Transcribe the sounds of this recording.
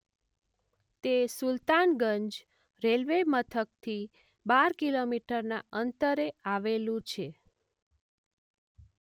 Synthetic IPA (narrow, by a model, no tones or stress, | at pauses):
t̪esult̪anɡəɲd͡ʒ | ɾelʋemət̪ʰək̚t̪ʰi | baɾkilomiʈəɾnaənt̪əɾeaʋelũt͡ʃʰe